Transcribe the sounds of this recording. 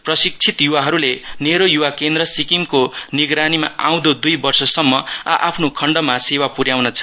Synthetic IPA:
prʌsik̚t͡sʰit̪juwaɦʌɾuleneɾojuwakend̪rʌsikimkoniɡɾanima̰a̰w̃d̪od̪ujbʌrsʌsʌmːʌa̰ʔapʰnokʰʌɳɖʌmasewapuɾjawnʌt͡sʰʌ̥

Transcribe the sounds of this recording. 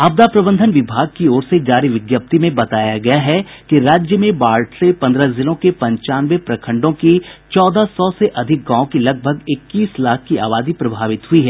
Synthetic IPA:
aːb̚d̪apɾɐbə̃nd̪ʱənʋɪbʱaːɡ̚kiɔːɾsed͡ʒaːɾiʋɪɡjəp̚t̪imẽbɐt̪aːjaɡɐjaɦɛkiɾaːd͡ʒjəmẽbaːlʈsepɐ̃nd̪ɾazɪlõkepɐ̃ɲt͡ʃaːnʋepɾɐkʰə̃ɳɖõkit͡ʃɔːd̪asɔːseʔɐd̪ʱɪk̚ɡãːõkilɐɡ̚bʱəɡɪkːiːslaːk̚ʰkia̰ːʋaːd̪ipɾɐbʱaːʋɪt̪ɦʊiɦɛː

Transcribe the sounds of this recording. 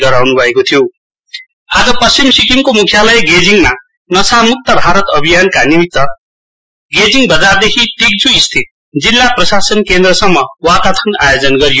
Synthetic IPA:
ɡʌɾawnubʱʌekot̪ʰijo | ad͡zʌpʌst͡ʃimsikimkomukʰjalʌjeɡed͡ziŋma | nʌsamuk̚t̪ːʌbʱaɾʌt̪ʌbʱijankanimit̪ːʌ | ɡed͡ziŋbʌd͡zard̪ekʰiʈik̚d͡zuist̪ʰit̪̚ | d͡zilːaprʌsasʌnkend̪rʌsʌmːʌwat̪at̪ʰʌna̰jod͡zʌnɡʌɾijo

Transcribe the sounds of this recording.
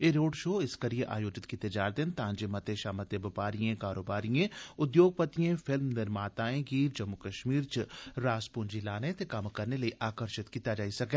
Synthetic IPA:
eːɾoːɖʃoːɪskɐɾijeʔa̰ːjoːd͡ʒɪt̪kit̪ɐd͡ʒaːɾt̪ɪnt̪ãːɲd͡ʒemɐt̪eʃaːmɐt̪ebɪpaːɾijẽkaːɾoːbaːɾijẽʊd̪joːɡ̚pɐt̪ijẽfɪlmnɪɾmaːt̪aːẽɡiːɾd͡ʒɐmːukɐʃmiːɾt͡ʃɾaːspund͡ʒilaːnẽt̪ekɐmkɐɾnelɐeʔaːkəɾʃɪt̪kit̪ad͡ʒaːisɐkẽː

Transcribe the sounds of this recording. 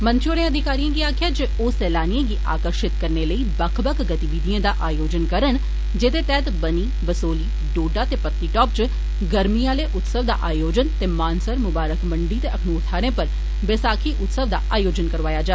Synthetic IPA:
mə̃nt͡ʃoːɾẽəd̪ʱɪkaːɾijãːɡiaːkʰjaːd͡ʒeoːsɛːlaːnijãːɡiːʔaːkəɾʃɪt̪kəɾneːləiːbəkʰbəkʰɡət̪iʋiːd̪ijãːd̪aːʔaːjoːd͡ʒənkəɾən | d͡ʒeːd̪eːt̪ɛːt̪bəniːbəsoːliː | ɖoːɖaːt̪eːpət̪niːʈɔːpt͡ʃ | ɡəɾmiːãːleːʔʊt̪səʋd̪a̰ːʔaːjoːd͡ʒənt̪eːmaːnsəɾmʊbaːɾəkməɳɖiːt̪eːəkʰmuːɾt̪ʰaːɾẽːpəɾ | ʋɪsaːkʰiːʔʊt̪səʋd̪a̰ːʔaːjoːd͡ʒənkəɾʋaːjaːd͡ʒaɛ

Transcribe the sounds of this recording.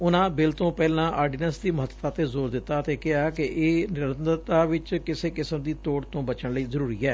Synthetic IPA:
ʊnãːbɪlt̪õːpɛːlãːʔaːɖiːnəsd̪iːməɦət̪ːt̪aːt̪eːzoːɾd̪ɪt̪ːaːt̪eːkɪaːkɪʔeːnɪɾənd̪ət̪aːʋɪt͡ʃkɪseːkɪsəmd̪iːt̪oːɽt̪õːbət͡ʃəɳləiːzəɾuːɾiːɛː

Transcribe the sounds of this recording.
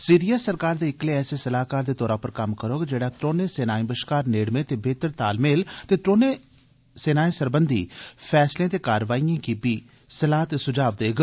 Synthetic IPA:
siːɾijaːsəɾkaːɾd̪eːɪkleːɛːseːsəlaːkaːɾd̪eːt̪ɔːɾaːpəɾkəmkəɾoːɡd͡ʒeːɽaːt̪ɾoːneːseːnaːĩbəʃkaːɾneːɽmẽːt̪eːbʱeːt̪əɾt̪aːlmeːlt̪eːt̪ɾoːneː | seːnaːĩːsəɾbənd̪ḭːpʰɛːslẽːt̪eːkaːɾʋaːiːãːkiːbiː | səlaːt̪esʊd͡ʒaːʋd̪eːɡ

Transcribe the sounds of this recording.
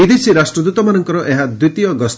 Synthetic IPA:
id̪ʱit͡ʃʰiɾasʈɾɔd̪ut̪ɔmanɔŋkɔɾɔʔeɦad̪ɾit̪ijɔɡɔst̪

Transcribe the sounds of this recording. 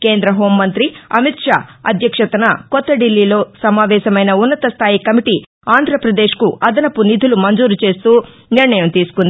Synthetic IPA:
ke̞ːnd̪ɾɐɦo̞ːmːɐnt̪ɾiɐmit̪ʂaːɐ̰d̪ʱjɐkʂɐt̪ɐnɐkɔt̪ːɐɖilːilo̞ːsɐmaːʋɛːʃɐmɐjnɐunːɐt̪ɐst̪ʰaːjikɐmiʈi | aːnd̪ʱɾɐpɾɐd̪e̞ːʃkuɐd̪ɐnɐpunid̪ʱulumɐnd͡ʒuːɾut͡ʃe̞ːst̪uː | niɾɳɐjɐmt̪iːsu̥kund̪i

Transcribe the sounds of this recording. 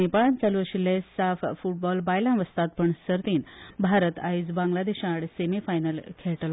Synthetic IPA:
epaɭãnt͡saluʋəɕilːesaffuʈ̚bɔlbajlãnʋəst̪at̪̚pəɳsəɾt̪iːnbʱaɾət̪aid͡zbãŋɡlad̪eɕaɽsemifajnəlkʰeɭʈl

